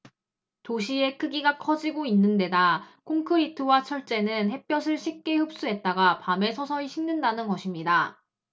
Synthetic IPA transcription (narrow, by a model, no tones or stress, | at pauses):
toɕʰie̞kʰɯɡiɡakʰʌd͡ʑiɡoinːɯnde̞dakʰoŋkʰɯɾitʰɯwat͡ɕʰʌɭt͡ɕ͈e̞nɯnhe̞p͈jʌsʰɯɭɕʰik̚k͈e̞hɯp̚s͈uɦe̞t̚t͈aɡapame̞sʰʌsʰʌiɕʰiŋnɯndanɯnɡʌɕʰimɲida